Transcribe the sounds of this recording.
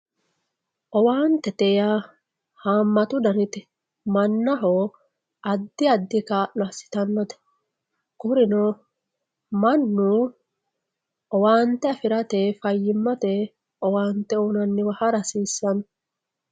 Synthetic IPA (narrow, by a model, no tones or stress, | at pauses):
ʔɔwaːnt̪ːɛt̪ɛja | haːmːɐt̪ʊd̪ɐɾɪt̪ɪ | mɐnːɐɦo | ʔɐd̪ːɪɐd̪ːɪkaːʔɐsːɪ̥t̪ɐnːɐt̪ɐ̥ | kʊɾɪnɔ | mɐnːu | ɔwaːnt̪ːɛɐfɪɾɐt̪ɛfɐjːɪmːɐt̪ɛ | ɔwaːnt̪ːɛoːnɐnːɪwɐhɐɾɐsiːsːɐn